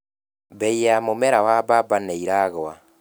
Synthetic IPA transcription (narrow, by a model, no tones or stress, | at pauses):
bɛijamomɛɾawababaneiɾaɣowa